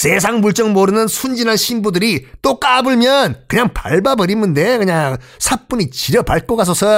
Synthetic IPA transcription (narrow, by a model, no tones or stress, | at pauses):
se̞s̬ʰaŋmuɭt͡ɕ͈ʌŋmoɾɯnɯnsʰund͡ʑinanɕʰimbudɯɾit͈ok͈abɯɭmjʌnkɯɲaŋpa̰ɭbabɯɾimːɯnde̞kɯɲaŋ | sʰap͈uɲit͡ɕiɾjʌpaɭk͈okas̬ʰʌsʰʌ